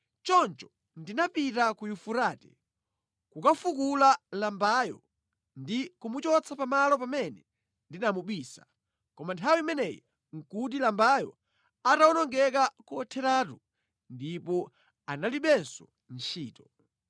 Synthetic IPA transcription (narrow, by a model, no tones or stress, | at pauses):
t͡ʃɔnt͡ʃɔ̥ | ndinapitakujufuɾaːtɛ | kukafukulalambajɔ | ndikumut͡ʃɔt͡sʰapamalɔpamɛnɛ | ndinamuɓwiːsḁ̰ | kɔmantʰawimɛnɛji | ŋ̩kut̬ilambajɔ̰ | atawɔnɔŋɡɛk̬akuɔtʰɛɾatu | ndipɔ | analiɓɛnsɔ | n̩t͡ʃʰiːtɔ̥